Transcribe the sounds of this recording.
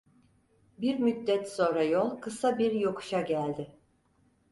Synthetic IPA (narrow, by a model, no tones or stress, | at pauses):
biɾmyd̪ːɛt̪so̞ːɾajolˠkʰɯsabiɾjo̞kʰu̥ʃaɟælʲd̪ɪ